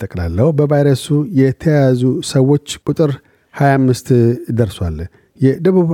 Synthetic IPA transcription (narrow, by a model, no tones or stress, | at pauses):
t̪ʼəkʼla̰lːəhubəvajɾəsujɛt̪ʰəjazusəwːo̞t͡ʃːkʼut̪ʼɨɾ | hajamːɨst̪d̪əɾswal | jɛd̪əβuβ